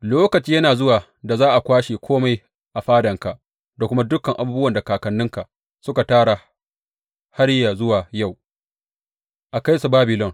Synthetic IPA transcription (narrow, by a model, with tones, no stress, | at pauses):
loː˦kɐ˨t͡ʃiː˦jɐ˦naː˨zʊ˦waː˨ | da˨zaː˦ʔa˨kʷaː˦ʃeː˨kʷʰoː˦ma˨˦j | ʔa˨ɸaː˦dɐ˨ŋka˨ʔ | da˨kʷʊ˦ma˦dʊ˦kɐ˨ŋʔa˨buː˦bʊ˦wɐ˨nda˨kaː˨kɐ˨nːʊ˦ŋka˨ʔ | sʊ˦ka˨taː˦ɽa˨ | ha˦ɽja˨zʊ˦waː˨ja˦˨w | ʔa˨ka˦jsu˨baː˦bɪ˨lɔ˦ŋ